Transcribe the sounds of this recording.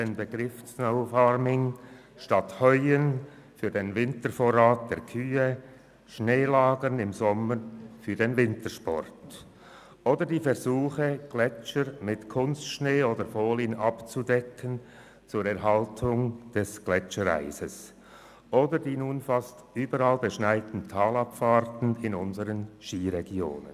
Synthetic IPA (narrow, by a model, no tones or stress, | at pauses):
eːnbɛɡɾɪfsnoʊfɑːɾmɪŋ | ʃtɑthœʏənfyːɾdeːnvɪntəɾfɔɾɑːt̚d̥ɛ̰ːɹkʰyːə | ʃneːlɑːɡənɪmzɔməɾfyːɾdeːnvɪntəɾʃpɔ̰rt | ʔoːdəɾdiːfɛɾzuːχəɡ̥lɛt͡ʃəɾmɪtkʰʊnstʃneːoːdəfoːliəənɑpt͡sudɛkʰən | t͡suːɾɛɾɦɑltʰʊŋd̥ɛsɡ̥lɛt͡ʃəa̰ɪzəs | ʔoːdəɾdiːnuːnfɑst | yːbəɾɑlbəʃnaɪtn̩tʰɑːlɑpfaːɾtn̩ɪnʊnzəɾənʃiːʁɛɡjo̰ːnə̰n